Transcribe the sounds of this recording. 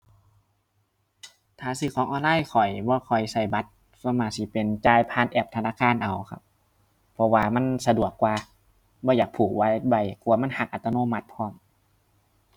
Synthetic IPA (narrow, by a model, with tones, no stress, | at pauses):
t̪ʰaː˨˩sɯː˧˩kʰɔː˨˧˦ŋʔɔː˧nlaː˧˥˨jkʰɔ˨˩jbɔː˧˦kʰɔ˨˩jsa˧˩jba˧˦t̪̚ | sɔ˧˦maː˧˩si˧˦pe˨nt͡ɕaː˧˨jpʰaː˧˥˨nʔɛː˧˩p̚t̪ʰa˧naː˧˥˨kʰaː˧˨nʔa˨˩wkʰa̰˧˦p̚ʰ | ɔ˧waː˧ma˧˥˨nsa˧du˨˩əkːwaː˧ | bɔː˧˦jaː˨˩k̚pʰuː˨˩k̚wa˧˥˨ba˧˩jku˧˨˦ma˧˥˨nha˧˩k̚ʔa˨˧˩t̪ːa˧noː˧˥˨ma˧˦t̪̚pʰɔː˧˩˨m